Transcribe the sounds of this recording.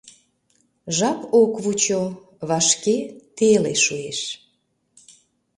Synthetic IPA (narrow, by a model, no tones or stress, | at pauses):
ʒɑpokβut͡ɕo | βɑʃket̪elḛʃueʃ